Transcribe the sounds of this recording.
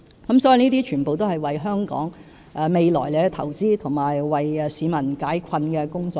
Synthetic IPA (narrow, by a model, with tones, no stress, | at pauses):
kɐ˨˥msɔː˨˥ji˨˧niː˥t̪̬iː˥t͡ʃʰyː˨˩npo˨wt̪o˥whɐ˨˩jwɐ˨jɦœː˥ŋkɔ̰ː˨˥ŋ | ʔɛː˨˧me˨jlɔ̰ː˨˩jle˨˧t̪ʰɐ˨˩wt͡siː˥t̪ʰʊ˨˩ŋmaː˨˩jwɐ˨jsiː˨˧˥mɐ˨˩nkaː˨˥jkʰɐ˧nkɛː˧kʊ˥ŋt͡sɔː˨˧